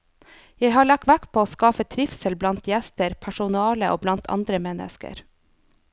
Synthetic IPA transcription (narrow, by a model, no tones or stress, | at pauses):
jeɪhɑːɭɑk̚tʋækpʰoːoːskɑːfət̪ʰɾɪfsəlblɑnt̪jɛst̪əɾpʰæʃʊnɑːləʔo̰ːblɑnt̪ʰɑ̰nd̪ɾəmɛnə̰skə̰ɾ